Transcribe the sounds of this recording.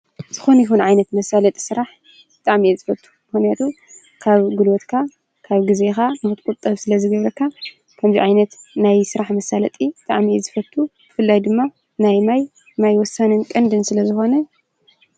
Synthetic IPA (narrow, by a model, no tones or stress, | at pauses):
z̥ɨxonɐjiɦunʕajnɐt̪mɐsalɐt̪ʼi̥sɨɾaħ | b̥ɨt̪ʼaʕmiezɨfɐt̪ʼʰːu̥mɨxnijat̪ʰu | kʰaβɡulot̪kʰa | kʰaβɡɨzexanɨxɨt̪ʼkʼut̪ʼːɐβsɨlɐzɨɡɐβɾɐkːa | kʰɐmziʕajnɐt̪najsɨɾaħmɐsalɐt̪ʼibɨt̪ʼa̰ʕmiezɨfɐt̪ʰːub̥ɨfɨlːajd̪ɨmːa | najmaj | majwɔsːanɨnkʼɐnd̪ɨnsɨlɐzɨxo̞nɐ